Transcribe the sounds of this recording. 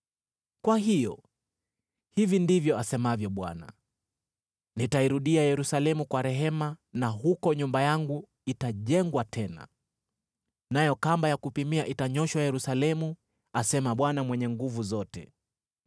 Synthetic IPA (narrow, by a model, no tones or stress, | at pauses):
kwaɦijɔ̰ | hivindivjɔasɛmavjɔɓwana̰ | nitaiɾuɗiajɛɾusalɛmukwaɾɛɦɛmanaɦukɔɲumbajaŋɡu | itaʄɛŋɡwatʰɛna̰ | najɔkambajakupimiaʔitaɲɔʃwajɛɾusalɛmu | asɛmaɓwanamwɛɲɛŋɡuvuzɔtɛ̰